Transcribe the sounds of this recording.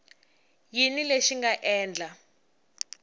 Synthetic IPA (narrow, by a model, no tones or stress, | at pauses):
jinileʃiŋɡaʔɛːnd͡ɮa